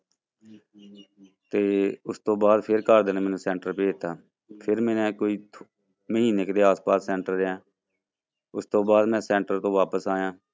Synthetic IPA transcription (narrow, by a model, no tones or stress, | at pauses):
t̪eːʊst̪õːbaːd̪pʰɪɾkaːɾd̪eːnːmɛːnũːsɛ̃ːɳʈəɾpeːt̪ːaː | pʰɪɾmɛ̃ːnɛ̃ːkoːiː | məɦiːnekd̪eːaːspaːsːɛ̃ːɳʈəɾːɛ̃ː | ʊst̪õːbaːd̪mɛ̃ːsɛ̃ːɳʈəɾt̪õːʋaːpəsaːjãː